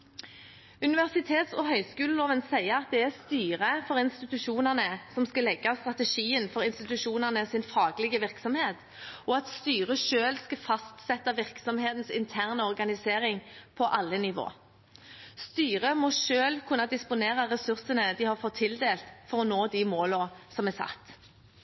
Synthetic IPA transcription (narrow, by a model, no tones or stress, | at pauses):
ʉnɪʋæʁsɪt̪ʰeːt̪sɔɦœʏskʉːləloːʋənsæɪəɑt̪̚d̪ɛæʁst̪yːʁəfɔʁɪnst̪ɪt̪ʉʃuːnəʁnəsɔmskɑlɛɡːɑst̪ʁɑt̪əʃiːənfɔɾɪnst̪ɪt̪ʉʂuːnəʁnəsɪnfɑːɡlɪɡəʋɪʁksɔmheːt̪ | ʔɔɑt̪st̪yːʁəʂøːlskɑfɑst̪sɛt̪ːɑʋɪʁksɔmheːt̪nsɪnt̪ʰæʁnəɔʁɡɑnɪseːɾɪŋpʰɔʔɑlːənɪʋo̰ː | st̪yːʁəmɔʃøːlkʰʉnːɑd̪ɪspʊneːʁəʁɛsʉʁsənəd̪ɪhɑʁfɔt̪ʰːɪld̪eːlt̪fɔɾɔnoːd̪ɪmoːləsɔmɛsɑ̰t̪ː